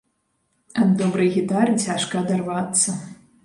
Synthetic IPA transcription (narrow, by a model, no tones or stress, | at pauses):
ɐd̪d̪ɔbɾɨjɣʲit̪arɨt͡sʲaʂkɐːd̪arvat̪sːɐ